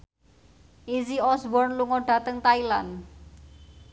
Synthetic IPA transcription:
ʔiziɔsbɔrnluŋɔɖ̥ä̤t̪əŋt̪ailan

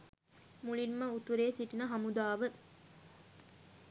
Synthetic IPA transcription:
muɭimməut̪uɾeːsiʈinəɦɐmud̪aːʋə

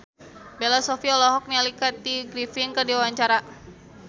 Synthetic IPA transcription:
belasɔfiɔlɔɦɔk̚nialikat̪̚diɡɾifɪnkərdiwawaɲt͡ʃaɾa

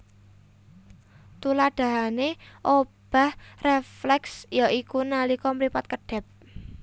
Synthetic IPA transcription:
t̪ulad̥a̤ɦaneʔob̥a̤hreflɛksjaʔikunalikɔmɾipat̪̚kəɖ̥ɛ̤p̚

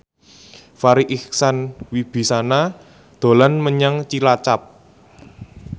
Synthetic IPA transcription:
faɾiʔiksanwib̥i̤sana | d̪̥o̤lanməɲaŋt͡ʃilat͡ʃap̚

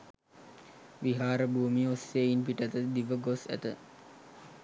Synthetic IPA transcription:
ʋiɦaːɾəbuːmiosːeːinpiʈət̪əd̪iʋəɡosæ̰t̪ə

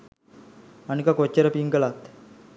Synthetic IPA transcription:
anikakot͡ɕːəɾəpiŋkəlat̪

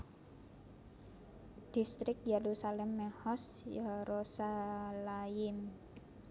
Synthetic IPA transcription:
d̪̥ist̪ɾɪk̚jeɾusalɛmːɛhɔsjaɾosalajɪm

